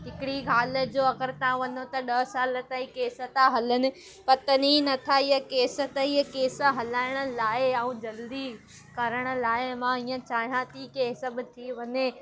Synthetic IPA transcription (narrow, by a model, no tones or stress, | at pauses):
ɦɪkɪɽiɡʱaːlə̆d͡ʑoːɐɡəɾt̪ãʋɐnot̪ɐɗɐɦsaːlə̆t̪aikeːsə̆t̪ãɦɐlənɪ̆ | pɐt̪əninɐt̪ʰaɪjəkeːsə̆t̪ɐiɦəkeːsə̆ɦɐlaːɪɽ̃ə̆laːɪɐũːd͡ʑɐld̪i | kɐɾəɽ̃ə̆laːɪmãiːə̃t͡ɕaːɦijãt̪ʰikeːsə̆bɪt̪ʰiʋɐɲe